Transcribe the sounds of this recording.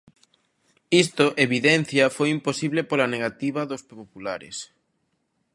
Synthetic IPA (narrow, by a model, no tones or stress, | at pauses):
ist̪ʊʔeβiðɛn̟θjɐfojimposiβlepolɐneɣat̪iβɐðospopulaɾɪ̰s